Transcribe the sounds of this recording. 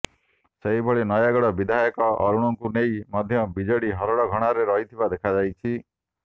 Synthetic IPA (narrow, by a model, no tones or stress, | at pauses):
seɦibʱɔɭinɔjaɡɔɽɔbid̪ʱajɔkɔɔɾuɽ̃ɔŋkunejmɔd̪ʱjɔbid͡ʒɔɽiɦɔɾɔɽɔɡʱɔɽ̃aɾeɾɔɦit̪ʰibad̪ekʰad͡ʒajt͡ʃʰi